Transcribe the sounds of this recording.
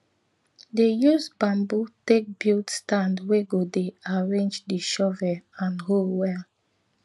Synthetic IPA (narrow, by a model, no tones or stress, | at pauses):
dejusbãmbutek̚biltstãndweɡodeaɹẽnd͡ʒdiʃɔvɛãnholwɛl